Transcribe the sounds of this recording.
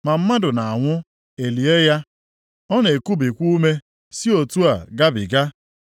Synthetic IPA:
ma˨m̩˦ma˦dʊ˨na˨a˨ŋʷʊ˦ | e˨li˨e˦ja˦ | ɔ˦ne˨ku˦bi˨kʷu˦me˦ | si˦o˨tu˦a˨ɡa˦bɪ̰˨ɡa˦

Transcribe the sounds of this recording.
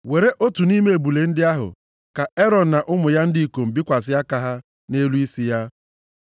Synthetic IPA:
we˨ɾe˦ʔo˦tu˨ni˦me˦e˨bu˨le˨n̩˦dɪ˦a˦ɦʊ̰˨ | ka˨e˦ɾɔ˨n̩˨na˨ʔʊ˦mʊ˨ja˦n̩˦di˦i˦˨ko˨m̩˨bi˦kʷa˨sɪ˦a˦ka˦ɦa˦ | ne˦lu˦i˦si˦ja˦

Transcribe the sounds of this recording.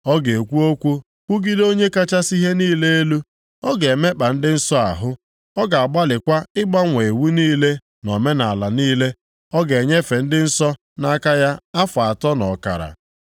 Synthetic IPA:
ɔ˦ɡe˨e˨kʷu˦o˦kʷu˦ | ku˦ɡi˦do˦ɲe˦ka˦t͡ʃa˦si˦ɦe˦niː˦le˦e˦lu˦ | ɔ˦ɡe˨me˦k͡pa˨n̩˦dɪ˦n̩˦sɔ˦a̰˨ɦʊ˦ | ɔ˦ɡa˨a˨ɡ͡ba˦lɪ˨kʷa˦ɪ˦ɡ͡ba˦ŋʷe˨e˨wu˦niː˦le˦ | nɔ˨me˦na˨a˨la˨niː˦le˦ | ɔ˦ɡe˨ɲe˦fe˨n̩˦dɪ˦n̩˦sɔ˦ | na˦ka˦ja˦a˦fʊ˨a˨tɔ˦nɔ˨ka̰˨ɾa̰˨

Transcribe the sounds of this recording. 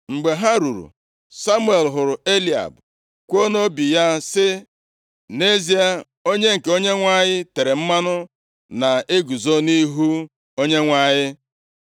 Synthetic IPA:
ŋ͡m̩˨ɡ͡be˨ɦa˦ɾu˨ɾṵ˨ | sa˦mu˦e˨lɦʊ˨ɾʊ˨e˦li˨a̰˨b | kʷo˦no˦bi˨ja˦sɪ˦ | ne˦zi˦a˦ | o˦ɲe˦ŋ̩˨ke˨o˦ɲe˦ŋʷa˦ɲɪ˦te˨ɾe˨m̩˦ma˦nʊ˦ | na˨e˦ɡu˨zo˦ni˦ɦu˦ | o˦ɲe˦ŋʷa˦ɲɪ˦

